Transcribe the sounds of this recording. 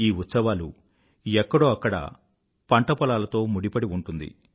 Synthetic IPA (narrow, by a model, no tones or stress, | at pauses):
iːut̪sɐʋaːlṵ | ɛkːɐɽoːɐkːɐɽɐ̰ | pɐɳʈɐpɔlaːlɐt̪o̞ːmuɽipɐɽiuɳʈund̪ḭ